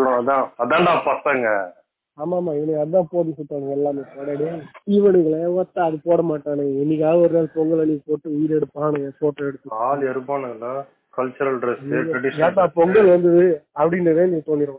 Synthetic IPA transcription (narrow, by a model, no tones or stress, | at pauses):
sʊ̃ɐðãːɐðãːnd̪ãːpɐt̪ːaːŋɡɐ | aːmaːmaːɪʋnːɪkɐðɯðãːpoːɽsɪʈ̪ːaːnɯŋɡɛlːaːmeːpoːɽaːɽatiːʋɐnɯŋɡɐɭɐʋɐt̪ːãːɐðɯpoːɽɐmaːʈːaːnɯɐɪnːɪk̬ʲaːɣɐɔɾɯnaːlpɔŋɡɐɭɐnikːɐpoːʈːɯʊjɪɾɛɽɯpːaːnɯŋɡɐpoːʈːɐɛɽɯt̪ːɯ̃aːlɛɾɯpːaːnɐŋɡɐlɐ | kɐlt͡ʃɐɾɐlɖɾɛsɐɖɪaːt̪ːaːpɔŋɡɐɭʋɐnd̪ɯðɯɐpːɐɽɪnrɐʋeːnɪŋɐt̪oːnːɪɾʊ̃